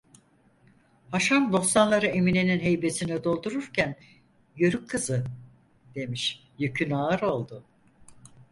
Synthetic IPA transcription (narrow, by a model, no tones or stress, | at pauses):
haʃanb̪o̞sanlˠaɾɯemineninɦe̞jbe̞sinɛd̪o̞lˠd̪uɾuɾcʰæn | jøɾykʰːɯzɯ | d̪̥e̞miʃ | jøcʰynaːɯɾo̞lˠd̪ʊ